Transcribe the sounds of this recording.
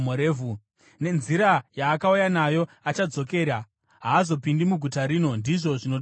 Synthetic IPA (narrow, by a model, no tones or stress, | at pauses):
oɾeːvu | ne̞nziɾajaːkaujanajo̞ | at͡ʃad͡zo̞ke̞ːɾa | ɦaːzo̞pindimuɡʱutaɾiːno̞ndiʐo̞ʐino